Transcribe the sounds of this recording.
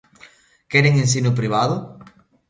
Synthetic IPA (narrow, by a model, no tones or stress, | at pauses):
keɾeŋẽns̬inup̬ɾiβ̞aðo